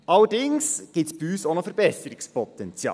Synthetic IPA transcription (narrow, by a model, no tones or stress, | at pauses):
ʔɑlːədɪŋsɡ̥ɪtsb̥iyːsoːnəfəɾbɛsəɾɪkspʰɔt̪ɛnt͡sjɑ̰ː